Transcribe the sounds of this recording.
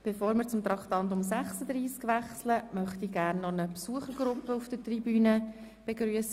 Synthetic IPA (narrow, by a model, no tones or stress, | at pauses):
b̥efoːɾmɪɾt͡sʊmt̪ɾɑkt̪ɑnt̪ʊmsæχsəd̪ɾiːskʋæχsləmœχt̪iɡæːrnːɔnəpsuəχəɾɡ̥ɾʊpːəufd̥ətribyːnə | b̥eɡɾyəsə